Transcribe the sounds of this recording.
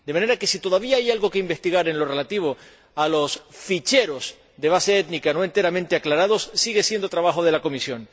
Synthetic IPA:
d̪emãne̞ɾake̞sit̪o̞ðaβ̞iaajalɣo̞keimbe̞st̪iɣaɾe̞nlo̞re̞lat̪iβ̞o̞ | alo̞sfit͡ʃe̞ɾo̞s | d̪eβ̞aseet̪nikanoe̞nt̪e̞ɾamẽnt̪eaklaɾaðo̞ssiɣesje̞nd̪o̞t̪ɾaβaxoð̞e̞lako̞misjo̞n

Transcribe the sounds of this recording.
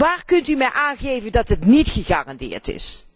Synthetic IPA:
ʋaːrkɵntymɛjʔaːnχejvəndɑtɦətnitχəχa̰ːrɑndɪ̰ːɹtɪ̰s

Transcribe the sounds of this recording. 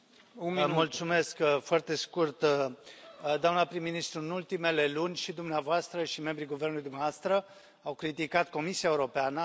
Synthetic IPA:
ummult̪sume̞skfoart̪e̞skurt̪ | d̪oamnəpɾimːinist̪ɾuɨnult̪ime̞le̞lunʲʃid̪umneavoast̪ɾəʃime̞mbɾiɡuvernulujd̪umavast̪ɾə | awkɾit̪ikat̪ko̞misiaeuɾo̞peanə

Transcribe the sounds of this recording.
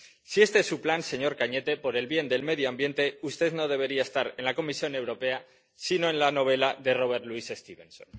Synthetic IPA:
sie̞st̪eesuplanse̞ɲo̞ɾkaɲe̞t̪e̞po̞ɾe̞lβje̞nd̪e̞lme̞ðjoambje̞nt̪e̞ust̪e̞ðno̞ðe̞β̞e̞ɾiaest̪aɾe̞nlako̞misjo̞ne̞wɾo̞pe̞a | sino̞e̞nlano̞β̞e̞laðe̞ro̞β̞e̞ɾt̪luise̞st̪iβe̞̰nson

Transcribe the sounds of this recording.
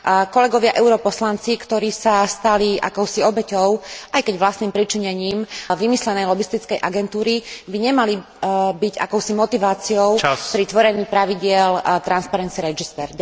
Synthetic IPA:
kɔlɛɡɔʋɪaʔɛʊɾɔpɔslant͡sikt̪ɔɾiːsast̪aliʔa̰kɔʊsiɔbɛcɔʊʔajkɛɟʋlast̪niːmpɾit͡ʃiɲɛɲiːmʋimislɛnɛjlɔbist̪it͡skɛjʔaɡɛnt̪uːɾibiɲɛmali | biɟa̰kɔʊsimɔt̪iʋaːt͡siɔʊpɾit̪ʋɔɾɛɲiːpɾaʋiɟɪɛlt̪ɾanspaɾɛnt̪t͡siɛɾɛd͡ʒist̪ɛɾ

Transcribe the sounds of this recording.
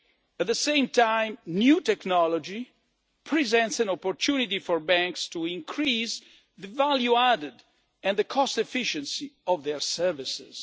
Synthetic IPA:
ɛt̪̚ðəsẽjmtãj̃mnjut̪ɛknɔlɔd͡ʒi | pʰɹizɛ̃ntsɛ̃nɔpɔɾt̪ʰunitifɔɹbæ̃ŋkst̪uĩŋkʰɾiːs | ðəvaljuadəd | ɛ̃nd̪əkʰɔstɛfiʃɛ̃nsiɔvðɛɹsɛɹvisɪ̰z̥

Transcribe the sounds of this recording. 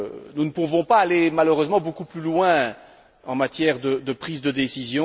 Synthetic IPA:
nunəpuvɔ̃paːlemaløʁøzmɑ̃bokuplylwɛ̃ | ɑ̃mat̪jɛʁd̪əd̪əpχiːzd̪əd̪esizjɔ̃

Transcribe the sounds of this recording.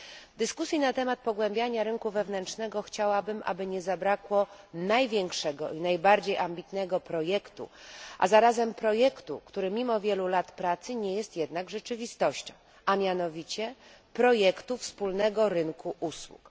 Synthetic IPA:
d̪ɘskusʲjinat̪ɛmat̪̚pɔɡwɛmbʲjaɲaɾɘŋkuvɛvnɛntt͡ʂnɛɡɔxt͡ɕawabɘmʔa̰bɘɲɛzabɾakwɔ | najvʲjɛŋkʂɛɡɔ̰inajbaɾd͡ʑejʔambʲit̪nɛɡɔpɾɔjɛkt̪ṵʔa̰zaɾazɛmpɾɔjɛkt̪ṵkt̪uɾɘmʲimɔvʲjɛlulat̪pɾat̪sɘɲɛjɛst̪jɛd̪naɡʐɛt͡ʂɘvʲist̪ɔɕt͡ɕɔ̰̃w̃ | amʲjanɔvʲit͡ɕɛpɾɔjɛkt̪ufspulnɛɡɔɾɘnkʰuʔuswṵk

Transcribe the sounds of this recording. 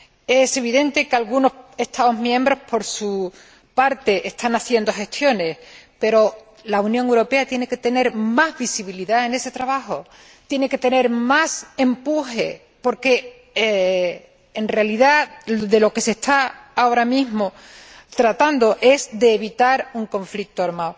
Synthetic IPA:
e̞se̞β̞iðẽ̞nt̪e̞kalɣuno̞he̞st̪ʰao̞zmjẽ̞mbɾo̞hpo̞ɾsu | paɾt̪e̞ʔest̪ʰanaθje̞nd̪o̞xe̞st̪jo̞ne̞spe̞ɾo̞ | launjõŋewɾo̞pe̞at̪jene̞ke̞t̪e̞ne̞ɾmazβisiβiliðae̞ne̞se̞t̪ɾaβ̞axo̞ | t̪je̞ne̞ke̞t̪e̞ne̞ɾmase̞mpuhe̞̰ | po̞ɾke̞ | e | enrealiðaðe̞lo̞ke̞se̞st̪aao̞ɾamiɦmo | t̪ɾat̪and̪o̞ʔe̞zðe̞ːβit̪aɾuŋkõ̞ɱflik̚t̪oaɾmao

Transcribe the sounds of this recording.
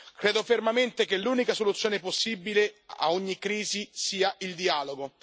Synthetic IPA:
kɾeːd̪ofermament̪ekelːuːnikasolut̪sːjoːneposːibilea̰oɲːikɾiːzisiːaild̪iaːloɡo

